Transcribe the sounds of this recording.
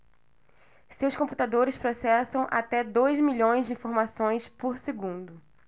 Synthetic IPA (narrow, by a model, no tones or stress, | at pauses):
sewskõmput̪ad̪oɾɪspɾosɛsɐ̃w̃ʔat̪ɛd̪ojzmiʎõj̃zd͡ʒɪĩfoɾmasõj̃spoɾseɡũnd̪ʊ